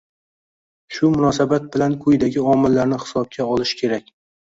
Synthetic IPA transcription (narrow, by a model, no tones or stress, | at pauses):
ʃʊmʊnɒsabat̪̚bɪlankʰʊjd̪aɡʲɪɒmɪlːaɾnɪhɪ̥sɒb̚kʲʰaɒlˠɪʃkʲʰe̞ɾakʲ